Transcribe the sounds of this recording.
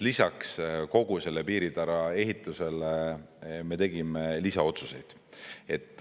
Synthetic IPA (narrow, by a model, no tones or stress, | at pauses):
lisɑksko̞ɡ̥use̞lːe̞piːɾid̪ɑɾɑe̞ɦit̪ːˑuse̞leme̞t̪e̞ɡ̥imelisɑo̞t̪suse̞̰jd̪̥ | e̞t̪ːˑ